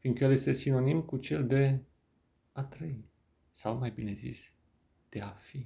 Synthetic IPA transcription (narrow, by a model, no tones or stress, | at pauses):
find̪kəjelje̞st̪e̞sino̞nimkut͡ʃeld̪e̞ | at̪ɾej | sawmajbine̞zḭs | d̪̥e̞afi